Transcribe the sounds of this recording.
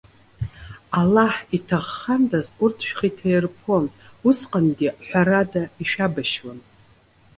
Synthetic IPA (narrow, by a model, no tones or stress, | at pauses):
alaħitʰaχːandazurtʰʃᶣχitʰerpʰo̞nusqʼanɡʲɪħʷᶣaɾadaiʃᶣabaʃwan